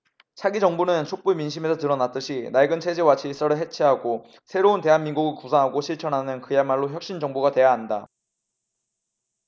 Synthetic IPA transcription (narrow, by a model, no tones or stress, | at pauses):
t͡ɕʰaɡid͡ʑʌŋbunɯnt͡ɕʰok̚p͈uminɕ̬ʰime̞sʰʌtɯɾʌnat͈ɯɕʰinaiɡɯnt͡ɕʰe̞d͡ʑewat͡ɕʰis͈ʌɾɯɭɦe̞t͡ɕʰeɦaɡo | sʰe̞ɾounte̞ɦanminɡuɡɯɭkusʰaŋɦaɡoɕʰiɭt͡ɕʰʌnɦanɯnkɯjamaɭːoçjʌk̚ɕ͈ind͡ʑʌŋbuɡate̞jaɦanda